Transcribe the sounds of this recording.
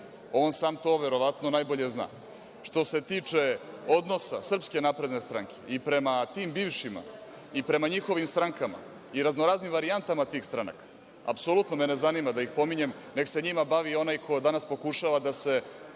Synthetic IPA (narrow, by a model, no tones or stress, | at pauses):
o̞ːnsaːmt̪o̞ːʋe̞ɾo̞ʋat̪no̞najboʎe̞zna̰ː | ʂt̪o̞se̞t̪it͡ʂeo̞d̪no̞sa̰sr̩pske̞napɾed̪ne̞st̪ɾaŋkʰe̞ipɾe̞mat̪imbiːʋʂima̰ | ipɾe̞maɲixo̞ʋimst̪ɾaŋkama̰ | iɾaznoɾaːznimʋaɾiant̪amat̪iːxst̪ɾana̰kḁ | a̰psolut̪nomenezanimad̪ajixpo̞miɲe̞m | nekse̞ɲimabaʋio̞najkʰojd̪anaspo̞kuʃaʋad̪ase̞